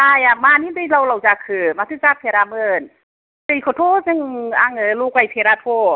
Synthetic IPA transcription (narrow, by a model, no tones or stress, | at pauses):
aːjamaːniːt̪ilawlawt͡ɕakʰɯmat̪ʰɯt͡ɕap̪ʰeɾaːmən | sajkʰot̪ʰoːseŋʔaŋɯluːkwajp̪ʰeɾaːt̪ʰoː